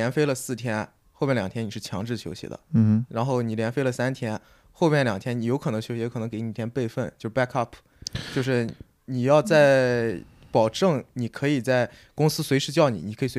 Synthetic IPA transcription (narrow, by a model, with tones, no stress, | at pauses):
ɛ˧˥nfe˥ɪlə˨sɹ̩˥˩t̪ʰjɛ˥n | xo˥˧pʲmɛ˥˩ljɑ˨˩t̪ʰjɛ˥ni˨˩ʂɻ̩˥˩t͡ɕʰjɑ˧˥ŋʈ͡ʂɻ̩˥˩ɕʰjo˧˥ʊɕḭ˧˥d̪ə̰˧˦˧ɻa˧˥nxo˥˩ʊni˨˩ljɛ˧˥nfe˥lə˨sa˥nt̪ʰjɛ˥n | xo˥˧pmjɛ˥˩nljɑ˨˩ŋt̪ʰjɛ˥ni˧˩jo˧˥ʊkʰɤ˨˩nɤ˧˥ŋɕjo˧˥ɕi˧jkʰɤ˨˩nɤ˧˥ke˧˥ɪni˨˩t̪ʰjɛ˥npe˥˧ɪfə˥˩nt͡ɕjo˥˧ʊʂɻ̩˥˩pa˥kʰɐ˥˩pʰ | t͡ɕjo˥˧ʊʂɻ̩˥˩ | ni˨˩jɑ˥˧ʊt͡sa˥˩ɪ | pɑ˨˩ʊʈ͡ʂɤ˥˩ŋni˨˩kʰɤ˧˥i˨˩t͡sa˥˩ɪ | kʊ˥ŋsɹ̩˥swe˧˥ɪʂɻ̩˥˧t͡ɕjɑ˥˩ʊnḭ˨˩ni˨˩kʰɤ˧˥i˨˩swe˧˥